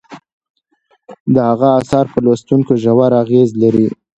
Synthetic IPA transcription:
d̪əhaɣaːsɑɾpəlast̪uŋkoʒawaɾaɣezlaɾi

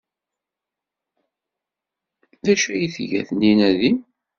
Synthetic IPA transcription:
ðæʃæjiθʝæ̰θnːinæði

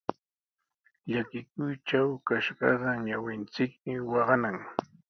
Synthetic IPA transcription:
ʎakɪkʊjt͡ʃawkaʃɢɑ̰ɢɑɲawɪnt͡sɪkmɪwɑɢɑnaŋ

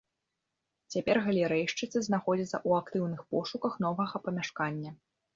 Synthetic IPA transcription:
t͡sʲapʲɛrɣɐlʲɛɾɛjʂt͡ʂɨt̪sɨznaxɔd͡zʲit̪sɐ̰ʔuakt̪ɨwnɨxpɔʂukɐxnɔvɐɣɐpɐmʲaʂkanʲːɐ

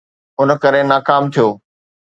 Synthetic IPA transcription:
ʊnə̆kɐɾenaːkaːmt̪ʰijoː

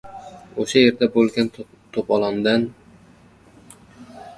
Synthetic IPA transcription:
oʃaje̞ɾd̪abolˠɡʲan | t̪ʰopɒlˠand̪an

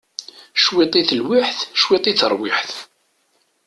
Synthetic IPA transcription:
ʃwɪt̪ˤiθəlwɪħθʃwit̪ˤit͡sːəɾˤwiħθ

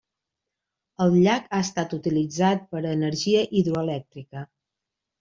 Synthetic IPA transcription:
əlˠʎakaəst̪at̪ut̪ilid͡zat̪̚pəɾəːnəɾʒiəʔiðɾuəlɛk̚t̪ɾikə

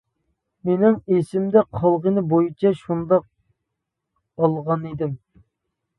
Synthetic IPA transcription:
menɪŋesɪmd̪ɛqʰɑlˠʁənɨbojit͡ʃʰɛʃund̪ɑq̚ | ɑlˠʁɑned̪ɪm

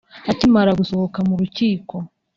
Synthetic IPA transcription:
acimaɾaɡuso̞hokamuɾuciːko̞

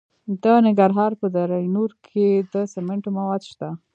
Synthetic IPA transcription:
d̪ənɪŋɡaɾɦɑɾpəd̪əɾajnuɾkʰed̪əsɪmɪɳʈomawɑd̪ʃt̪a

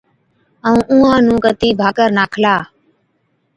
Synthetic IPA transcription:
əũːʔũːãːnũːkət̪iːbʱaːkəɾnaːkʰlaː

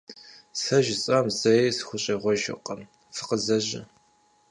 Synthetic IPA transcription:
sɐʒɪt͡sʼɐmzɐjsxʷʊɕʼɐʁʷɔʒɪ̰qʼɐm | fɨ̥qəzɐʑɪ̰

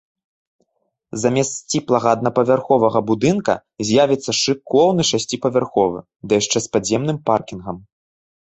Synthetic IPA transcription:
zamʲɛst̪sʲt͡sʲiplˠɐɣɐːd̪̚nɐpɐvʲarxɔvɐɣɐbud̪ɨnkɐ̰ | zʲjavʲit̪sːɐʂɨkɔwnɨʂasʲt͡sʲipɐvʲarxɔvɨ̰ | d̪ɐjaʂt͡ʂɛspazʲɛmnɨmparkʲinɣɐm

